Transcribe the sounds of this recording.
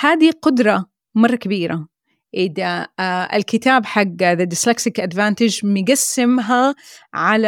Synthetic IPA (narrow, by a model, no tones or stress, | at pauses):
haːd̪iqʊd̪ɾˤɑ | mɑrˤːɑkabiːɾa | ʔɪðaɪ̰lkɪt̪aːbħaɡːðad̪ɪslaksɪkʔad̪vaːnt̪ɪd͡ʒmɪɡasːɪmɦaʕala